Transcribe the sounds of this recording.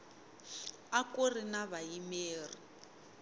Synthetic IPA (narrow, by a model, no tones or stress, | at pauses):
akorinaβajimeːri